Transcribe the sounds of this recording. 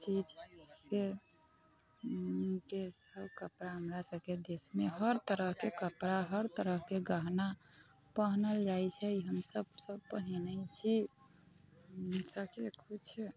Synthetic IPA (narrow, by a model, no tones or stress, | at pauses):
t͡ʃid͡ʒse | kesəbkəpɾaɦəmɾasəbked̪esmeɦəɾt̪əɾəɦkekəpɾaɦəɾt̪əɾəɦkeɡəɦna | pəɦnəld͡ʒajt͡ʃʰɛiɦəmsəbsəb̚pəɦinət͡ʃʰi | səbkekʰut͡ʃʰ